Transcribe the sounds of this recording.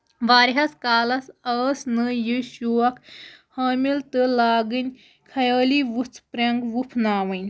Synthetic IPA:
ʋaːɾɦɐskaːlɐsɐːsnɨjiːʃuːɐkʰhɐːmilt̪ɨlaːɡɨnʲ | kʰɐjəːliʋut͡sʰpɾʲɐŋɡʋupʰnaːʋɨnʲ

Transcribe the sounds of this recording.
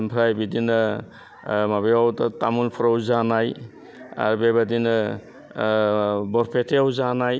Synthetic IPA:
mpʰɾajbidinɯ | mabeawtatamulpʰɔɾawzanaj | a̰ɾbebadinɯ | bɔɾpʰetʰeawzanaj

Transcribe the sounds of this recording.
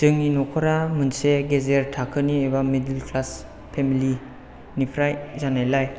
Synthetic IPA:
z̥ɯŋninɔkʰɔɾamɯnseɡezeɾtʰakʰɯniebamidilkʰlas | pʰemili | nipʰɾajzanajlaj

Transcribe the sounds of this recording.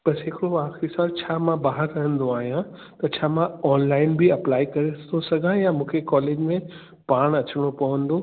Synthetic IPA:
b̥ɐsɦɪkɪɽoʋaːkisaːɾt͡ɕʰaːmãbaːɦəɾɾɐɦə̃nd̪oaːɦijã | t̪ɐt͡ɕʰaːmãɔːnlaːɪnbiɐplaːikɐɾeosɐɡʱãjamũːkʰekɔːleːd͡ʑmẽ | paːɽ̃ɐt͡ɕɪɽ̃opɐʋə̃nd̪o

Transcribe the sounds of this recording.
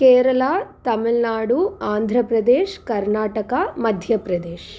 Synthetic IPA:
keːɾɐlat̪ɐmilnaːɽuaːnd̪ʱɾɐpɾɐd̪eːʃkɐɾnaːʈɐkɐmɐd̪ʱjɐpɾɐd̪eːʃ

